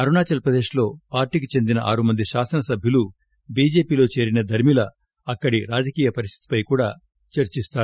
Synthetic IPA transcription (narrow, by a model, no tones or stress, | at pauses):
ɐɾunaːt͡ʃɐlpɾɐd̪e̞ːʃlo̞ːpaːɾʈiːk̬it͡ʃe̞nd̪inɐʔaːɾumɐnd̪iʃaːsɐnɐsɐbʱjɐlu | biːd͡ʒe̞ːpiːlo̞ːt͡ʃe̞ːɾinɐd̪ʱɐɾmilɐ | ɐkːɐɽiɾaːd͡ʒɐkiːjɐpɐɾist̪ʰi̥t̪i̥pɐjkuːɽaː | t͡ʃɐɾt͡ʃist̪aːɾu